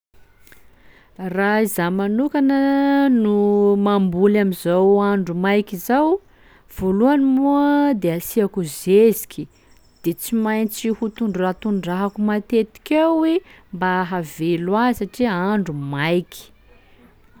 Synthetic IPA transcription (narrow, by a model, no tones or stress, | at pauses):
raizamanukanənumambulamizawaɳɖ͡ʐumajkizaw | v̥oluanimuəd̪easiakuzezi̥kʲi | d̪̥et͡simajnt͡sihut̪uɳɖ͡ʐurat̪uɳɖ͡ʐaɦakumat̪et̪i̥kʲawembaɦavelwasaʈ͡ʂiaɳɖ͡ʐumajki̥